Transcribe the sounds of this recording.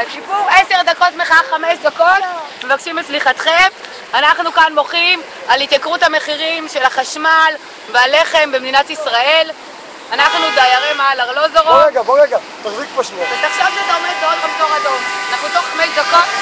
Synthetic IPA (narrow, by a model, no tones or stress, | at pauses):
buese̞ʁd̪ako̞tmeχaːameʃdako̞t̪me̞vakʃimet͡sliχat̪χev | anaχnukanmo̞χim | alit̪jakʁuthame̞χiʁimʃe̞laχaʃmal | veale̞χe̞mbemd̪inatisʁae̞l | anaχnudajaʁemaalaʁlozoʁoeɡaboʁeɡa | t̪aχzikpaʃut̪aχʃavʃeat̪aometaot̚bamko̞madomanaχnut̪oχːameʃdako̞t̚